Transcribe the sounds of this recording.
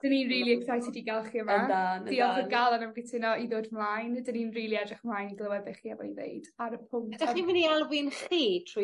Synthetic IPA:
d̥əninriːlˠiɛksajsidiɡalˠχiəmadan̥iɔχəɡalˠanamɡɪtʰɪnɔiðoːdmlˠajndəninriːlˠiɛdrɪχmlˠajniɡlˠəwɛbɪχiːavɔninḛjdaɾəpʰʊŋd̥aɔiminialˠvɪnχiːtʰru

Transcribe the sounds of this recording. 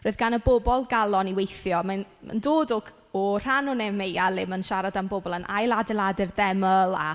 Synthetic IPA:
roːɨðɡanəbobɔlˠɡalˠɔniwejθjɔmanma̰ndoːdɔk | ɔr̥anɔnɛmejalˠɪmənʃaɾadambobɔlˠənʔajlˠadɛlˠadɪrðɛməlˠa̰

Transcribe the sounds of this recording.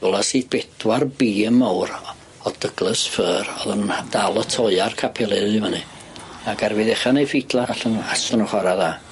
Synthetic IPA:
vɔlˠasiːθb̥ɛdwarbiːəmawr | ɔd̥əɡ̥lˠəsfəːrɔðənd̥alˠətʰɔɨarkʰapʰɛlˠɪðɪmanɨ | aɡarvɨðɛχanejfitlˠaaɬənasənɔχwaɾaðaː

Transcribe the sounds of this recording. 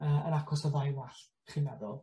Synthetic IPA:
əːə̰nakʰɔsɔðajwaɬ | χɪmɛdɔlˠ

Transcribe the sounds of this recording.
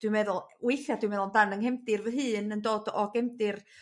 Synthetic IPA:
d̥wɪmɛðʊlˠwɪjɬjadwɪmɛðʊlˠndanəŋhɛmdɪrvəɦɨːnəndoːdɔɡ̥ɛmdɪr

